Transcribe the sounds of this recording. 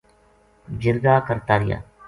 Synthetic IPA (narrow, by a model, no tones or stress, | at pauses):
d͡ʒɪɾɡaːkəɾt̪aːɾɪja̰ː